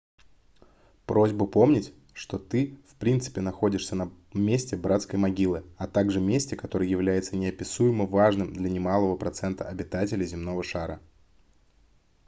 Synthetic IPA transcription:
pɾo̞zʲbʊpo̞mnʲɪtʲ | ʂt̪o̞t̪ɨfpɾʲint̪sɨ̥pʲɪnɐxo̞dʲɪʂsʲənɐ | mʲesʲtʲɪbɾat̪skəjmɐɡʲilˠɨɐt̪aɡʐɨmʲesʲtʲɪkɐt̪o̞ɾɨjjɪvlʲæjɪt̪sənʲɪɐpʲɪsujɪməvaʐnɨmd̪lʲɐnʲɪmalˠəvəpɾɐt̪sɛnt̪əɐbʲɪt̪atʲɪlʲɪzʲɪmno̞vəʂaɾə

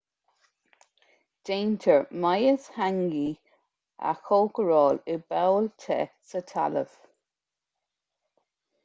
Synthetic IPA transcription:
d̥eːntʰəɹmajəshaŋɡi | a̰xoːkəɹɔːlɪbɛwltʰɛ̰sətʰa̰lə̰v

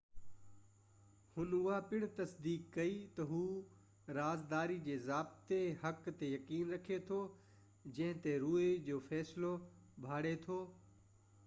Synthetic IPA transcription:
hʊnʊɦapɪɽ̃t̪ɐsd̪iːkːɐit̪ɐɦuː | ɾaːzd̪aːɾid͡ʑeːzaːb̚t̪ehɐkt̪ejɐkiːnɾɐkʰet̪ʰo | d͡ʑɐ̃ɦɪ̃t̪eɾuːed͡ʑoːfɛːslo | bʱaːɽet̪ʰoː

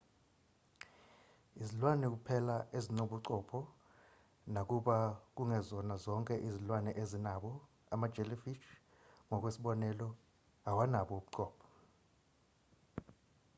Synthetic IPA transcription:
izilwanɛk̬upʰɛlaezinoɓuǀɔpʰɔ | nak̬ʼuɓak̬ʼuŋɛzɔnazɔŋkʼɛʔizilwanɛʔezinaɓɔ | amad̥d͡ʒ̥ʱɛlifit͡ʃ | ŋɔk̬ʼwesiɓɔnɛlɔ | awanaɓɔuɓuǀɔːpʰɔ̥

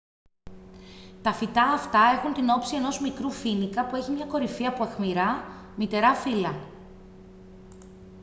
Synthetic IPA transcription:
t̪ɐfit̪ɐːft̪ɐe̞xunt̪ino̞psie̞no̞zmikɾufinikɐpue̞çimɲɐko̞ɾifiɐpuɐxmiɾɐ | mit̪e̞ɾɐfilɐ

